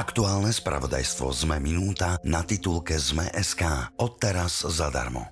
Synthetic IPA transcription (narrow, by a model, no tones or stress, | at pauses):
akt̪uaːlnɛspɾa̰ʋɔd̪a̰jst̪ʋɔ̰zmɛminuːt̪anat̪it̪ulkɛzmɛ̰ʔɛskaːɔt̪ːɛɾaz̥zad̪a̰ɾmɔ̰